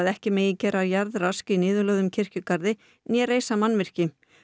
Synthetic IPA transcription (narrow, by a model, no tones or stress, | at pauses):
ðɛhcɪmeːjɪcɛːɾajaɾðraskinɪːðʏlœːɣðʏmcʰɪr̥cʏkaɾðɪ | njɛreːjsamanːvɪr̥cɪ